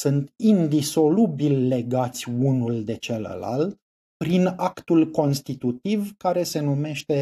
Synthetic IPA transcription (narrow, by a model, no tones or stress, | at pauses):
sunt̪ind̪iso̞lubilʲle̞ɡat̪sʲunuld̪e̞t͡ʃelə̰la̰lt̪ | pɾinakt̪ulko̞nst̪it̪ut̪ivkaɾe̞se̞nume̞ʃt̪e̞